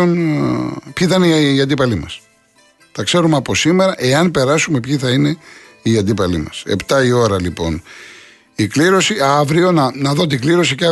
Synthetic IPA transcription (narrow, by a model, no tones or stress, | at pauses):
on | pçiθɐinːɐnd̪ipɐlimɐs | t̪ɐkse̞ɾumeɐpo̞sime̞ɾɐʔe̞ɐnpe̞ɾɐsumepçiθɐine̞ | iɐnd̪ipɐlḭmɐ̰sḛpt̪ɐio̞ɾɐlipo̞̰n | ikliɾo̞siɐvɾio̞nɐnɐðo̞t̪̬iɡliɾo̞sicɐ